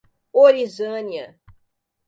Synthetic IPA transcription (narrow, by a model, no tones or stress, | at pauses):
oɾizɐ̃niɐ